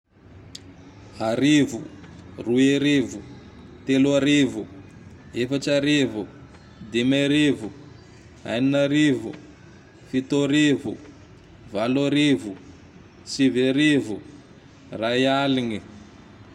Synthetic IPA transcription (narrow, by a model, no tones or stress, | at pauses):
ɦaɾivṵrueɾivu | t̪eluaɾivu | efat͡ʃaɾivu | d̪imaɾivu | ɦa̰jninaɾivṵ | fit̪oɾivu | valoɾivu | siviɾivu | rajaliŋi